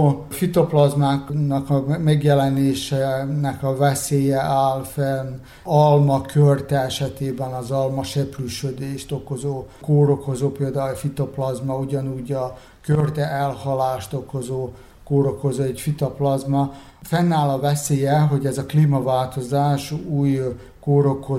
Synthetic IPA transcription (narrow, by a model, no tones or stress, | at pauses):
o | fit̪oplɒzmaːknɒkɒmɛɡjɛlɛneːʃɛnɛkɒvɛseːjɛʔaːlfɛn | ɒlmɒkʰørt̪ɛɛʃɛt̪eːbɛnɒzɒlmɒʃɛpryʃød̪eːʃt̪o̞ko̞zoːkoːɾo̞ko̞zoːpeːld̪aːɛfit̪ɒplɒzmɒuɟɒnuːɟɒ | kørt̪ɛʔɛlhɒlaːʃt̪oko̞zoː | koːɾoko̞zoːɛcfit̪ɒplɒzmɒ | fɛnːaːlɒvɛseːjɛɦo̞ɟɛzɒkliːmɒvaːlt̪o̞zaːʃuːj | koːɾo̞ko